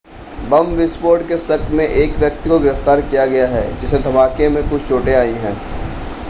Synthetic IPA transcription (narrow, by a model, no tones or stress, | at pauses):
bɐmʋɪsboːɾɖkesɐk̪mẽʔeːkʋjɐk̚t̪ikoɡɪɾəft̪aːɾkijaɡɐjaɦɛːd͡ʒɪsed̪ʱɐmaːkemẽkʊt͡ʃʰt͡ʃʰoːʈeaːĩɦɛ̃ː